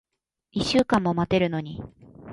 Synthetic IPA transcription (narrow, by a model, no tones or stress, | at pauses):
iɕɨːkãmːo̞mat̪e̞ɾɯ̟no̞ɲ̟i